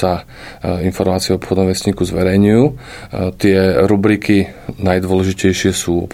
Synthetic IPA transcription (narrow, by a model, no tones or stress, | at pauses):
a | infɔɾmaːt͡siɛɔpxɔd̪nɔ̃mʋɛsɲiːkuzʋɛɾɛjɲujuː | t̪ɪɛɾubɾikinajd̪ʋɔlɛʒicɛjʃɪɛsuːɔ̰p